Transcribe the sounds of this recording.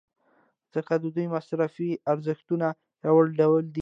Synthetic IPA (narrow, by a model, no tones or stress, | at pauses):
z̥əkad̪əd̪ujmasɾafiaɾzəxt̪una | jawaɽɖawld̪i